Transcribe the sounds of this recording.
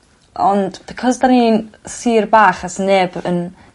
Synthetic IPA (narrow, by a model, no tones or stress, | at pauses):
ʔɔndb̥ɪkʰɔzdaniːnsiːrbaːχasnɛbə̰n